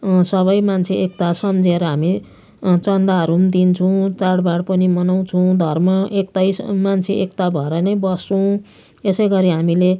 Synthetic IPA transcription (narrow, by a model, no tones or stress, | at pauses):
sʌβʌjmant͡sʰeʔek̚t̪asʌmd͡zeɾʌɦami | t͡sʌnd̪aɾumd̪int͡sʰuw̃t͡saɽbaɽpʌnimʌnaw̃t͡sʰuw̃d̪ʱʌrmʌʔekt̪ajsmant͡sʰeʔekt̪abʱʌeɾʌnʌjbʌst͡suw̃ | esʌjɡʌɾiɦamile